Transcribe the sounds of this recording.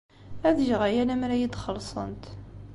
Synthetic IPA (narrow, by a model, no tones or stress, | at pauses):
æðʒʁæjælæmɾæjid̪χəlsˤə̰nt̪